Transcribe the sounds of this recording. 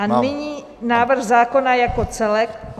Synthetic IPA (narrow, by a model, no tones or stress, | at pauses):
anɪɲiː | naːvr̩xzaːko̞najakot͡sɛlɛk̚